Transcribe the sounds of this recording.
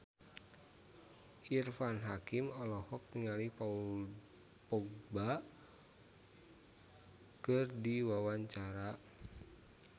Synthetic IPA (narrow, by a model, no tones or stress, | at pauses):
ʔirfanɦakimɔlɔhɔk̚t̪iŋalihpau | pɔɡ̚ba | kɨrdiwawaɲt͡ʃaɾa